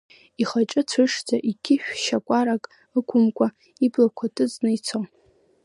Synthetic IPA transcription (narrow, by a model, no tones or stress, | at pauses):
iχaʈ͡ʂʼɨt͡sʷʰɨʂd͡zaʔiɡʲʰɪʃᶣʃakʷʼaɾakʼ | ɨkʷʰʼʊmkʷʼa | iblakʷʰatʰʼɨt͡sʼnɨit͡sʰo